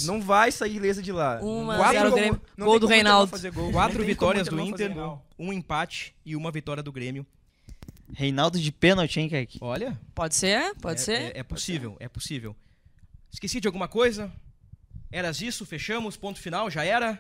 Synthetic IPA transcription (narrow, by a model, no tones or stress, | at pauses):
nɐ̃w̃vajsailezɐd͡ʒɪlaũmɐkwat̪ɾɡɾẽmmjʊnɐ̃ɡow̃wd̪ʊhejnawd̪ʊfazeɾɡowkwat̪ɾʊvit̪ɔɾiɐzd̪ʊĩnfazeɾɡow | ũẽpat͡ʃɪ̥ɪũmɐvit̪ɔɾʲiɐd̪ʊɡɾẽmjʊ | hejnawd̪ʊd͡ʒɪpẽnowt͡ʃẽj̃kɛki̥ɔʎɐpɔd͡ʒɪseɾpɔd͡ʒɪseɛ̰posivḛwɛ̰posivḛw | ɪskesid͡ʒɪawɡũmɐkojzɐ | ɛɾɐzisʊfeʃɐ̃mʊspõnt̪ʊfinawʒaɛɾɐ